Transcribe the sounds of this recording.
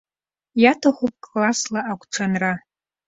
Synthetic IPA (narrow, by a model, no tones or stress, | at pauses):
jatʰaχʷup̚ʼkʼlaslaʔakʷʰʼʈ͡ʂʷʰanra